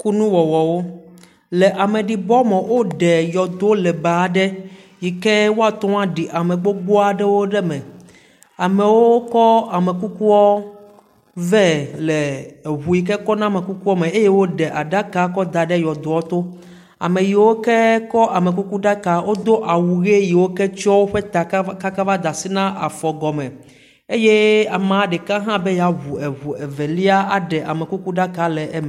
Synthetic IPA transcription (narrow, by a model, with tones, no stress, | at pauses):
ku˦nũ˦wɔ˨wɔ˨wo˦ | lɛ˨ʔa˨mẽ˨ɖi˨bɔ˦mɔ̃˨wo˦ɖɛ˨jɔ˨d̪o˦lɛ˨ba˨ɖɛ˦ | ji˨ke˦wo˦a˨t̪ɔ̃˦a˦ɖi˨ʔa˨mẽ˨ɡ͡bo˦ɡ͡bo˦a˨ɖɛ˦wo˦ɖɛ˦mɛ̃˨ | a˨mɛ˨wo˦kɔ˦a˨me˨ku˦ku˦ɔ˦ | vɛ˦le˨ɦu˨i˨k̬ɛ˦kɔ˦nã˦me˨ku˦ku˦ɔ˦mẽ˨e˦je˦wo˦ɖɛ˨ʔa˨ɖa˦ka˨kɔ˦d̪a˨ɖɛ˦jɔ˨d̪o˨wɔ˦t̪o˦ | a̰˨mẽ˨ji˨wo˦kɛ˦kɔ˦ʔa˨me˨k̬u˦ku˦ɖa˦ka˨wʔo˦d̪o˦ʔa˨wu˨ɣe˦ji˨wo˦kɛ˦t͡ʃɔ˦wo˦ɸe˦t̪a˨ka˦ka˦va˦d̪a˨si˦nã˦ʔa̰˨fɔ˨ɡɔ˨mɛ˨ | e˦je˦a˨mã˨a˨˦ɖɛ˨kã˦ɦã˦be˦ja˨ɦu˨ɛ˨ɦu˨ɛ˨vɛ˨li˦a˦a˨ɖɛ˨ʔa˨mɛ˨ku˦ku˦ɖa˦ka˨lɛ˨ʔɛ˦mɛ˨